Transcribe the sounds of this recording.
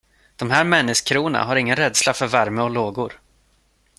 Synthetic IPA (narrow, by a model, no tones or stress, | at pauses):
d̪̥ɔmɦæːɾmɛnːɪskʰɾuːna̰ɦaɾɪŋːənɾɛd̪slafœɾvæɾməɔloːɡʊɾ